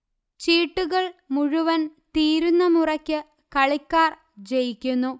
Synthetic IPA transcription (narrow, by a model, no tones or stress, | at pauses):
t͡ɕiːʈːuɣɐɭmuɻuʋɐnt̪iːɾunːɐmurɐkʲːɨ | kɐɭikʲːaːr | d͡ʑejikʲːunːu